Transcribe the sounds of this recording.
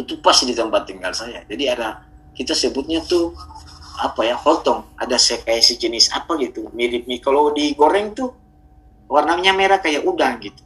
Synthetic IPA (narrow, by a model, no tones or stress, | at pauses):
t̪upasdit̪əmbat̪ːiŋɡalsajad͡ʒadiada | kit̪asəbʊt̪̚ɲat̪u | apajahɔt̪ɔŋa̰dasɛkajasid͡ʒənɪsa̰paɡit̪umiɾɪp̚ɲikalowdiɡoɾɛŋt̪u | warnaɲameɾakajaʔudaŋɡit̪u̥